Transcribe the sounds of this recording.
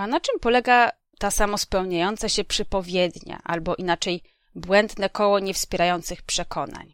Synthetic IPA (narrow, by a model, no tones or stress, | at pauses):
anat͡ʂɘmpɔlɛɡa | t̪asamɔspɛwɲajɔnt̪saɕɛpʂɘpɔvʲjɛd̪ɲa̰ʔalbɔʔinat͡ʂɛj | bwɛnd̪nɛkɔwɔɲɛfspʲjɛɾajɔnt̪sɘxpʂɛkʰɔna̰ɲ